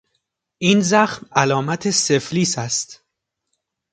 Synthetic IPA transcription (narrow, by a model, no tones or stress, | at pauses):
ʔinzæxmælɒːmæt̪ʰese̞fliːsæst̪